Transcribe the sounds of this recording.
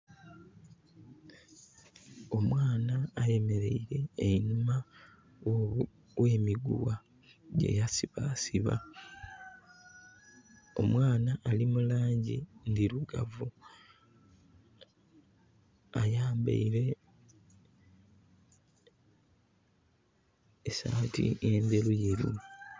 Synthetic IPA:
o̞mwaːnaːje̞me̞ɾe̞iɾe̞ːinuma | we̞ːmiɡṵwa | ɟe̞̰jasiβaːsiβa̰ | o̞mwaːnaʔːlimulaːɲɟḭndiɾuɡa̰vu | ajaːmbḛiɾe̞ | esa̰ːtḭe̞ːnde̞lujeɾḭ

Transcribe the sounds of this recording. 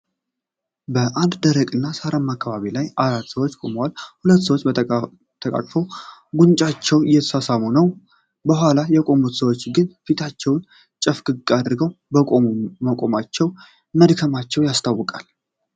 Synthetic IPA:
bəʔand̪d̪əɾəkʼɨnːasaɾamːakʰːaβaβilajaɾat̪ːsəwot͡ʃːkʼo̞məwalhulət̪ːsəwot͡ʃː | t̪ʰəkʼa̰kʼfəwɡunt͡ʃʼat͡ʃːɛwɨjːɛt̪ʰə̥sasamunəw | bəɦʷalajɛkʼo̞mut̪səwo̞t͡ʃːɡɨnfit̪ʰat͡ʃːɛwn | t͡ʃʼəfɡɨɡʼad̪ɨɾɡəwbəkʼo̞muməkʼo̞mat͡ʃːɛw | məd̪kʰəmat͡ʃːɛwjast̪ʰawːɨkʼal

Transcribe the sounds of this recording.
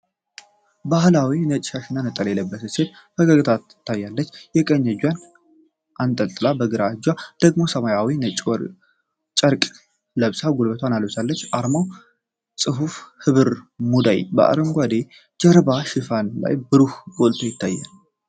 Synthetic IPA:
bahlawinət͡ʃʼʃaʃɪnanət̪ʼːəleləbːət̪ɨset̪̚ | bəɡəɡɨt̪ʰat̪t̪ʰːajːalːət͡ʃːjɛkʼəɲːəd͡ʒwan | ʔant̪ʼəlt̪ʼɨlabəɡɨɾad͡ʒwad̪̥əɡmo̞səmajawinət͡ʃʼɾ | t͡ʃʼəɾkʼ | ləβsaɡolbət̪ʰwanaləβsalːət͡ʃːʔaɾmaw | sʼɨɦufhɨβɨɾmud̪a̰jbə̰ʔa̰ɾɨmɡʷad̪e | d͡ʒəɾbaʃɪfanla̰jbɨɾuhɡolt̪ʰojɪt̪ʰːajːa̰l

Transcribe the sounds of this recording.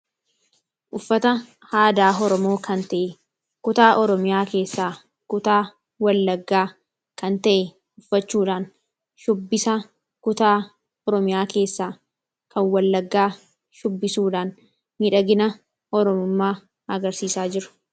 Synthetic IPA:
ʔʊfːɐt̪ɐ | haːd̪aːɦɔɾɔmo̞ːkɐnt̪ɐʔɛ | kʊt̪aːʔɔɾɔmɪjaːke̞ːsːaː | kʊt̪aː | wɐlːɐɡːaː | kɐnt̪ɐʔɛ | ʊfːɐt͡ʃːuːᶑaːn | ʃʊbːɪsa | kʊt̪aː | ɔɾɔmɪjaːke̞ːsːaː | kɐnwɐlːɐɡːaː | ʃʊbːɪsuːᶑaːn | miᶑɐɡɪnɐ | ɔɾɔmʊmːaː | ɐɡɐɾsiːsaːd͡ʒɪɾʊ̥

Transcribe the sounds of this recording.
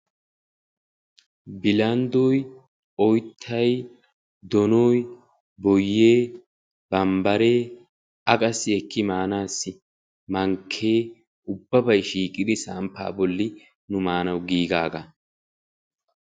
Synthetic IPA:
bɪlɐnd̪ɔj | ɔjt̪ʰːɐj | d̪ɔnɔj | bɔjːeː | b̥ɐmbɐɾe̞ː | ɐkʼɐsːɪɛkːɪmaːnaːsːɪ | mɐŋkʰːeː | ʔʊbːɐbɐjʃiːkʼːɪd̪ɪsampːa̰ːbɔlːɪ | nʊmaːnɐwɡiːɡaːɡɐ

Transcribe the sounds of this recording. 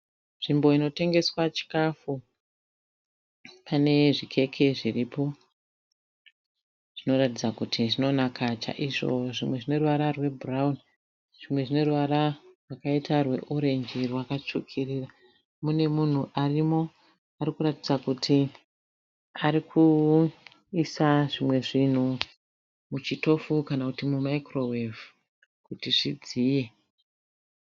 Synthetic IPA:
nʐimbo̞ino̞te̞ŋɡe̞swat͡ʃi̥kafu | pane̞ʐikʰe̞kʰe̞ʐiripo̞ | ʐ̥ino̞ɾatid͡zakutʰiʐino̞nakʰat͡ʃa̰ʔiʐo̞̰ʐimwe̞ʐine̞ruʋaɾarwe̞buraun | ʐ̥imwe̞ʐine̞ruʋaɾarwakaitarwe̞ʔoɾe̞ɲd͡ʒirwakat͡ʃukʰirira | mune̞mun̤uʔarimo̞ | aɾikuɾatid͡zakutʰi | aɾikʰu | isaʐimwe̞ʐin̤u | mut͡ʃito̞fukanakutimumaikrowev | kutiʐid͡ziːje̞

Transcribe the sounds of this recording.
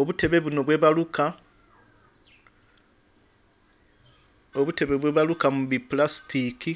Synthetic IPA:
o̞βute̞βe̞βuno̞βwe̞βaluka | oβute̞βe̞βwe̞ːβalukamuβiplasi̥tiki

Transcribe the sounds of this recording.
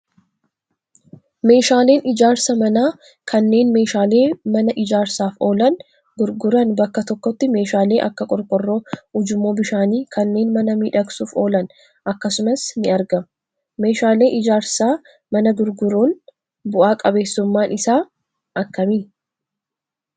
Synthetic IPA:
me̞ːʃaːle̞ːnʔɪd͡ʒaːɾsɐmɐnaː | kʰɐnːe̞ːnme̞ːʃaːle̞ːmɐnɐʔɪd͡ʒaːɾsaːfo̞ːlɐn | ɡʊɾɡʊɾɐnbɐkːɐt̪ɔkːɔt̪ːɪme̞ːʃaːle̞ːʔɐ̰kːɐkʼɔɾkʼɔrːo̞ːʊd͡ʒʊmːo̞ːbɪʃaːniːkʰɐnːe̞ːnmɐnɐmiːᶑɐksuːfo̞ːlɐn | ʔɐkːɐsʊmɐsnɪɐɾɡɐm | me̞ːʃaːle̞ːʔɪd͡ʒaːɾsaː | mɐnɐɡʊɾɡʊɾuːn | bʊʔaːkʼɐbe̞ːsːʊmːaːnʔɪsaː | ʔɐkːɐmɪn

